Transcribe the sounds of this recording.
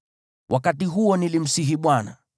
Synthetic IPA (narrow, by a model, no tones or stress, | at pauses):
wʔakatiɦuɔnilim̩siɦiɓwana